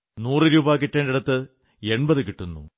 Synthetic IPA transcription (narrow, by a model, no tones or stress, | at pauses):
nuːrɨɾuːbaːk̬iʈːɐːnɖiɽɐt̪ːɨ | e̞ɳbɐðɨkiʈːunːṵ